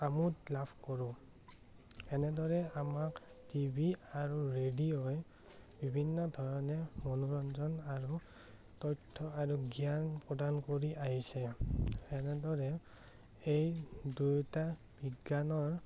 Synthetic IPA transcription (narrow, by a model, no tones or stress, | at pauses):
amutlabʰkɔɹʊ̃ | ɛnɛdɔɹɛamak | tibʱiaɹuɹediɔj | bibʱinːɔdʱɔɹɔnɛmɔnuɹɔnzɔnaɹu | tɔjtʰːɔaɹuɡijanpɹɔdankoɹiʔaɦisɛ | ɛnɛdɔɹɛ | ejdujta | b̥iɡːanɔɹ